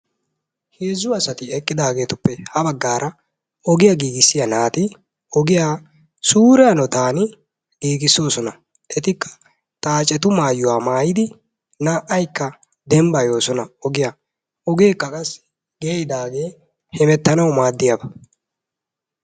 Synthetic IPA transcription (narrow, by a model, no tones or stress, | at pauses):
heːzːʊɐsɐt̪ɪɛkʼːɪd̪aːɡe̞ːt̪ʊpːɛhɐbɐɡːaːɾɐ | ɔɡɪjɐɡiːɡɪsːɪjɐnaːt̪ɪ | ɔɡɪjaː | suːɾɛanɔt̪aːnɪ | ɡ̥iːɡɪsːo̞ːsɔnɐ | ʔɛt̪ɪkːɐ̥ | t̪ʼaːt͡ʃʼːɛt̪ʊmaːjʊwaːmaːjɪd̪ɪ | naʔɐjkːɐ | d̪ɛmbɐjo̞ːsɔnɐɔɡɪja | ɔɡeːkːɐkʼɐs | ɡeːjɪd̪aːɡe̞ː | hɛmɛt̪ːɐnɐwmaːd̪ːɪjɐbɐ